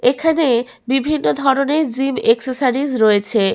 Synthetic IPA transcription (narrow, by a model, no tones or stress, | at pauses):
ekʰane | bibʱinːod̪ʱɔɾoneɾd͡ʑimeksosaɾid͡ʑɾoet͡ɕʰe